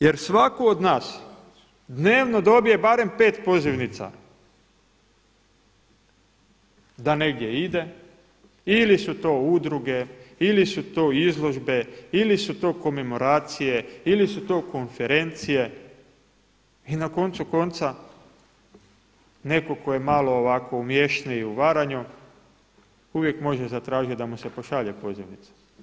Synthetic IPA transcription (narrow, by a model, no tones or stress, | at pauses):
je̞ɾsʋakood̪naːs | d̪ne̞ːʋno̞d̪o̞bije̞baːɾe̞mpe̞ːt̪po̞ziʋnit̪sa̰ | d̪ane̞ɡdʲje̞id̪e̞ | ilisut̪o̞ːud̪ɾuɡe̞ilisut̪o̞ːizlˠo̞ʒbe̞ilisut̪o̞ːko̞me̞mo̞ɾaːt̪sije̞ilisut̪o̞ːko̞nfe̞ɾe̞nt̪sije̞ | inako̞nt̪suko̞nt̪sa | ne̞ko̞ko̞je̞maloːʋako̞umje̞ʃneiuʋaɾaɲu | uʋje̞kmo̞ʒezat̪ɾaːʒit̪d̪amusepo̞ʃaʎepo̞ziʋnit̪sḁ